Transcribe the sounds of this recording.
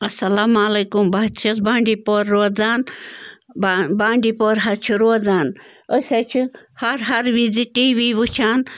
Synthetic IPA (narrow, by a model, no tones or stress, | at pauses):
ɐsɐlaːmaleːkumbaːt͡ʃʰɐsbaːɳɖiːpoɾːoːd͡zaːn | babaːɳɖipoɾɦɐt͡ʃʰiɾoːd͡zaːn | əsʲat͡ʃʰihɐɾɦɐɾʋid͡ziʈiːʋiʋut͡ʃʰaːn